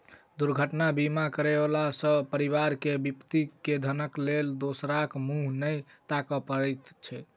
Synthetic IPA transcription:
d̪uɾɡʱəʈnabimakəɾeblasə̃pəɾiβaɾkebipt̪iked̪ʱənəkleld̪osɾakmuɦnəjt̪akɔpəɾɛt̪t͡ʃʰɛ

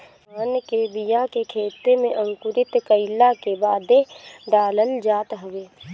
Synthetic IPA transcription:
ənkebijakekʰeːt̪emẽʔɐ̃ŋkʊɾɪt̪kəɪlakebaːd̪eɖaːləld͡ʒaːt̪ɦɐʋeː

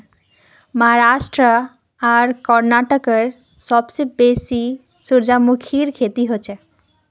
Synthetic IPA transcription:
maɦaɾaʃʈɾə | aɾkɔɾnaʈokeɾ | ʃɔbsebesi | suɾd͡ʑamukʰiɾkʰet̪iɦot͡ɕʰe

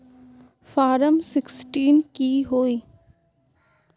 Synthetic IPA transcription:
faːɾəmsɪksʈiːnkiɦoːiː

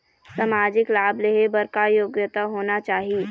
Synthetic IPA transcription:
samaːd͡ʒɪklaːbleɦebɐɾkajoːɡjət̪aɦoːnat͡ʃaːɦie

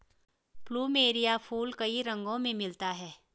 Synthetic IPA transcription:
pluːmeːɾijapʰuːlkɐiɾɐ̃ŋɡõmẽmɪlt̪aɦɛː

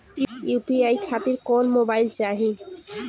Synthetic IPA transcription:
jupiajkʰat̪iɾkɔnmobajlt͡ɕaɦi

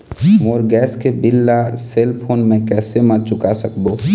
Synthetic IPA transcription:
moːɾɡɛːskebɪlːaseːlpʰoːnmẽkɛːsemət͡ʃʊkasəkb̪oː

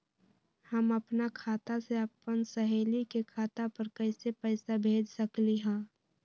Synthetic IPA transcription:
həməpnakʰaːt̪aseɐpːənsəɦeːlikekʰaːt̪apəɾkəɪsepəɪsabʱeːd͡ʒsəkliɦɛ̃ː

